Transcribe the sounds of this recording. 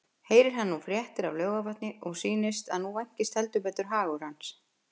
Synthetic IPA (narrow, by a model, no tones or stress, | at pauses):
heːjɾɪɾ̥ɦanːufɾjɛht̪ɪɾawlœːwɣavaht̪nɪʔɔɣsiːnɪst̪aðnuvajɲ̥cɪst̪hɛlt̪ʏpɛːt̪ʏɾ̥ɦaːɣʏɾ̥hans